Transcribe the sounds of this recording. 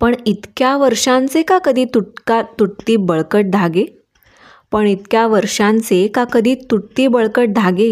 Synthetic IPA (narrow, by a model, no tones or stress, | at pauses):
pəɳit̪kjaʋəɾʂãnt͡sekakəd̪ʱiːt̪ukat̪uʈt̪iːbəɭkəʈ̚d̪ʱaɡe | pəɳit̪kjaʋəɾʂãnt͡sekakəd̪ʱiːt̪uʈ̚t̪iːbəɭkəʈ̚d̪ʱaɡe